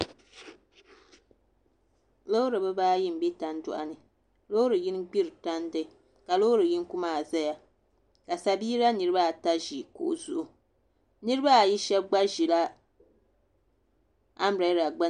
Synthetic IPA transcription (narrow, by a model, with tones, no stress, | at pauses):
lo˦ɾɨ˨bɨ˦baː˦ji˦m̩˨˦bi˦ta˨n˦dʊ̰˨ʔa˨nɨ˨ | lo˦ɾɨ˨ji˦n˦ɡ͡bi˦ɾɨ˨ta˦n˦dɨ˦˨ | ka˨lo˦ɾɨ˨ji˦n˦ku˦maː˦˨za˦ja˨ | ka˨sa˨biː˦ɾa˦nɨ˨ɾɨ˦ba˦˨ta˦ʒi˨ko̰˨ʔzu˨ʔʊ˨ | nɨ˦ɾɨ˦ba˦˨ji˦ʃɛ˦bɡ͡ba˦ʒi˨la˦ | a˦m˨ɾe˨˦ɾa˨ɡ͡ba˦